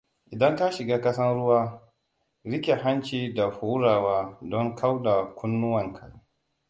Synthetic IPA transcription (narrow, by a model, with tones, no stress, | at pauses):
ʔɪ˨dɐ˦ŋta˦ʃɪ˨ɡaː˦kɐ˦sɐ˦nɽʊ˦waː˦ | ɾɪ˦kʲe˨ɦa˦nt͡ʃiː˨da˨ɸuː˦ɾaː˨waː˦dɔ˦ŋkʰa˦wda˨kʷʊ˦nːʊ˦wɐ˨ŋkʰɐ˨˦